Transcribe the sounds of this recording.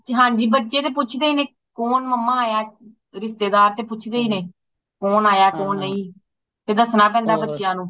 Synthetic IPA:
ɦãːɲd͡ʒiːbətːʃeːt̪̬eːp̬ʊt͡ʃʰd̪eːiːnẽː | kɔːnməmːãːaːjaː | ɾɪst̪eːd̪aːɾt̪eːpʊt͡ʃʰd̪eːiːneː | kɔːnaːjaːkɔːnːəĩː | t̪eːd̪əsnaːp̬ɛ̃ːnd̪aːbətːʃjãːnũː

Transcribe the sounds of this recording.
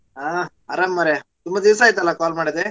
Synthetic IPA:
aː | ɐɾɐmːɐɾet̪umbɐd̪iʋs̬aːjit̪ːɐlːɐkaːlmaːɽid̪e

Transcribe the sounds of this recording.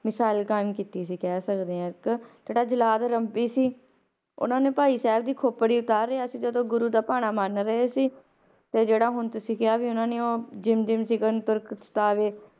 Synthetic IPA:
mɪsaːɪlkaːɪmkiːt̪iːs̬iːkɛːsəkd̪eːãːkt̪əʈaːd͡ʒəlaːd̪ɾəmpiːsiː | ʊ̰nãːneːpaːiːsɛːəb̚d̪iːkʰoːpəɽiːʊt̪aːɾːeaːsĩːd͡ʒəd̪õːɡʊɾuːd̪aːpaːɽ̃aːmaːɾnːɾəɦeːsiː | t̪eːd͡ʒeːɽaːɦʊnt̪ʊsĩːkjaːʋiːʊnãːneːoːd͡ʒɪmd͡ʒɪmsiːɡənt̪ʊɾkst̪aːʋeː

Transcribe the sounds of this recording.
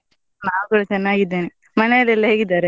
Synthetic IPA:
naːwkuːɽɐt͡ʃɐnːaːɡid̪ːeːni | mɐnejɐlɛlːɐɦeːɡid̪aːɾe

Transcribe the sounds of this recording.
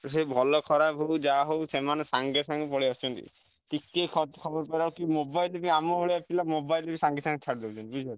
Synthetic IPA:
sebʱɔlɔkʰɔɾapɦowd͡ʒaɦowsemanɔsaŋɡesaŋɡɔpɔɽiɔst͡ʃʰɔnt̪ḭ | t̪ikːejkʰɔt̪kʰɔbɔɾpaɾaukimobajlebiamɔɦoɭiapilamobajlebisaŋɡisaŋɡt͡ʃʰaɽd̪ebut͡ʃʰɔnt̪ibud͡ʒaɾ

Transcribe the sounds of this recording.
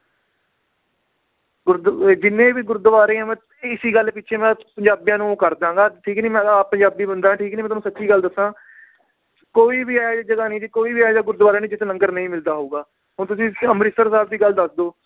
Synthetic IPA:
ɡʊɾd̪d͡ʒɪnːẽːʋiːɡʊɾd̪əʋaːɾẽːãːmɛ̃ː | ɪsiːɡəlpɪtːʃʰeːmɛ̃ːpəɲd͡ʒaːbijãːnũːkəɾd̪ãːŋɡaːʈʰiːknĩːmɛ̃ːd̪apəɲd͡ʒaːbiːbənd̪aːãːʈʰiːknĩːmɛ̃ːt̪ːnũːsətːt͡ʃiːɡəld̪əsãː | koːiːbiːaːd͡ʒad͡ʒəɡaːnĩːd͡ʒiːkoːiːbiːaːjd͡ʒaːɡʊɾd̪ʋaːɾeːnĩːd͡ʒɪt̪ːnəŋɡəɾnəĩːmɪld̪aːɦoːɡaː | ɦʊnt̪ʊsĩːəmɾɪsəɾsaːbd̪iːɡəld̪əsd̪oː

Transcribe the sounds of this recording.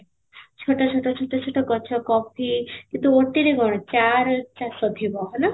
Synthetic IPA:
t͡ʃʰoʈɔt͡ʃʰoʈɔt͡ʃʰoʈɔt͡ʃʰoʈɔkɔt͡ʃʰɔkɔpʰikint̪uoʈːiɾeɡʱɔɽ̃ɔt͡ʃaɾt͡ʃasɔd̪ʱibɔɦɔna

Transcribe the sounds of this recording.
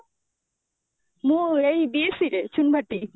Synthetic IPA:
mũejbiesiɾet͡ɕʰunbʱaʈːi

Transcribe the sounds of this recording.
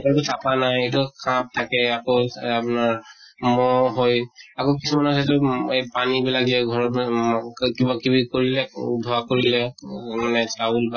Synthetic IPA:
kɔtusapanajetukʰãp̚tʰakɛakoapnaɹmɔɦojakokisumanas̬atɔejpanibilakiɛɡʱɔɹɔ | kibakibikoɹilɛubʱɔwakoɹilɛmanɛsaulba

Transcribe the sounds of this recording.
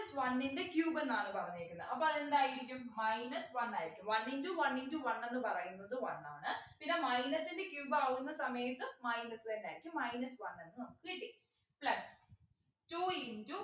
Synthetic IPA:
ɐsʋɐnːinde̞kjuːbenːaːɳɨpɐrɐɲːiikʲːunːɐðʔɐpːoɐðendaːjiɾikʲːummɐjnɐsʋɐnːaːjiɾikʲːumʋɐninduʋɐninduʋɐnːe̞nːɨpɐrɐjunːɐðɨʋɐ̰nːaːɳɨpinːemɐjnɐsinde̞kjuːbaɣunːɐsɐmɐjɐt̪ːɨmɐjnɐsðendaːiɾikʲːumːɐjnɐsʋɐnːe̞nːɨnɐmukːɨiːʈːi | plɐs | tuːindu

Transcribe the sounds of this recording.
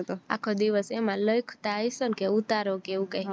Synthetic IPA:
t̪oa̰kʰod̪iʋəsemãləjkʰt̪aːjsənkeut̪aɾokeʋũkaj

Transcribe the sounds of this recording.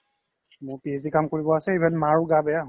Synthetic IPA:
mʊɹpizikamkoɹibɔasɛebʱanmaɹuɡabɛaɦ

